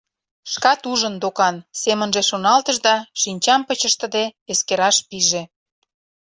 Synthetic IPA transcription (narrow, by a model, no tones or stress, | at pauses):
ʃkɑt̪uʒə̆nd̪okɑnsemənʒeʃonɑlt̪əʒd̪ɑʃinʲt͡ɕɑmpət͡ɕəʃt̪ə̆d̪eeskeɾɑʃpiʒe